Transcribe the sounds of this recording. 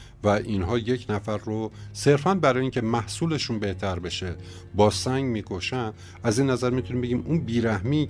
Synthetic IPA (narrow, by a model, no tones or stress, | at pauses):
væʔinɦɒːje̞cʰnæfæɾːose̞ɾfænbæɾɒːjeiːncʲʰe̞mæhsuːle̞ʃunbe̞ht̪ʰæɾbe̞ʃe | bɒːsæŋɟmiːkʰo̞ʃænd̪ | æziːnːæzæɾmit̪ʰuniːmbe̞ɟiːmunbiːɾæhmi